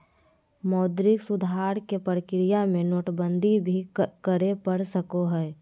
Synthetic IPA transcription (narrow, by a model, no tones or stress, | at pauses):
mɔːd̪ɾɪksʊd̪ʱaːɾkepəɾəkɾɪjamẽnoːʈbə̃nd̪ʱibʱikəɾepəɽsəkoɦɛː